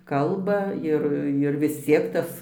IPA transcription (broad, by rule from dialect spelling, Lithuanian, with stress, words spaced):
ˈkɐlˠbɐ ˈɪr ɪr ʋʲɪs ˈt͡sʲiɛk ˈtɐs